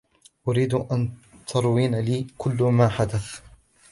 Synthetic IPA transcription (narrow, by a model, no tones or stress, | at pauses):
ʔʊɾiːd̪ʔant̪ʰɑɾˤwiːnaliːkʊlːmaːħad̪aθ